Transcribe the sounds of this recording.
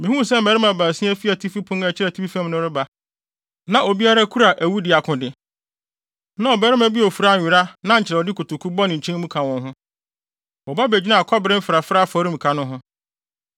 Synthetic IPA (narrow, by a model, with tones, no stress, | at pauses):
mĩ˨hũ˦s̬ɛ˦m̩˨bæ˨˦ɾɪ˦mã˨bã˨sĩ˦æ˦fi˦a˨tʰi˦fi˦pʰʊ̃˦næ˨t͡ɕʰɪ˦ɾɛ˨tʰi˦fi˦fã˦mnʊ̃˦ɾɪ˦ba˨ | nã˨ʔo˨bi˦a˦ɾa˦kʰu˦ɾa˨ʔæ˨wu˦dɪ˨a˨kʰʊ̃˨dɪ˨ | nã˦ɔ˨bɛ˦ɾɪ˦mã˦bi˦ɔ˨fu˨ɾa˦˨ɪ˨ɾa˦nã˦ɲ̩˨t͡ɕʰɪ˨ɾɛ˨ɔ˨dɪ˦kʰu˨tʊ˨kʰu˦bɔ˦nɪ̃˨ɲ̩˨t͡ɕʰɛ̃˦mũ˦kʰã˨wɔ̃˨nɦʊ̃˦ | wɔ˨ba˦be˨d͡ʑi˦nã˦˨kʰɔ˦bɪ˦ɾɪ̃˦m̩˦fɪ˨ɾa˨fɾa˦˨fa˨˦ɾĩ˦m̩˨kʰa˨nʊ̃˦ɦʊ̃˦